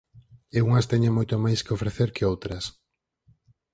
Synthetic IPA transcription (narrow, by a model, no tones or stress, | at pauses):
euŋɐst̪ɛɲeŋmojt̪omajskeofɾeθeɾkeowt̪ɾɐs